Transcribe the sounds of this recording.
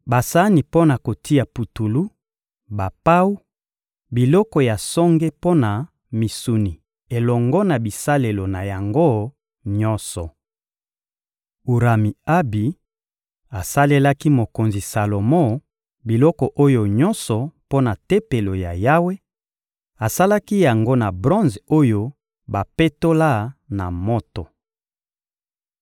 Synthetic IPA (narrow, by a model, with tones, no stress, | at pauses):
ba˨sa˦ni˨po˦na˨ko˨ti˦ja˨pu˨tu˨lu˦ | ba˨pa˦u˦ | bi˨lɔ˦kɔ˨ja˨sɔ˦ŋɡe˦po˦na˨ | mi˨su˨ni˨ | e˨lɔ˨ŋɡɔ˦na˨bi˨sa˦le˨lo˨na˨ja˨ŋɡo˦ | ɲɔ˦nsɔ˨ | u˨ɾa˨mi˨a˦bi˨ | a˨sa˦le˦la˦ki˦mo˨ko˨nzi˨sa˨lo˨mɔ̃˦˨ | bi˨lɔ˦kɔ˨ʔo˦jo˨ɲɔ˦nsɔ˨po˦na˨te˦pe˨lo˨ja˨ja˦we˦ | a˨sa˦la˦ki˦ja˨ŋɡo˦na˨bʁɔ̃˦nzo˦jo˦ | ba˨pe˦to˦la˦na˨mɔ˦to˨